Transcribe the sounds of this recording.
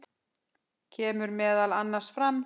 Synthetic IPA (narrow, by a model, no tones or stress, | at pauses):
cʰɛːmʏɾmɛːðalanːaɾ̥sfɾamː